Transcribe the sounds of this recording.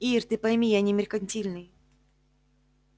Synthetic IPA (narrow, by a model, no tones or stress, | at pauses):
irt̪ɨpɐjmʲijanʲɪmʲɪrkɐnʲtʲilʲnɨj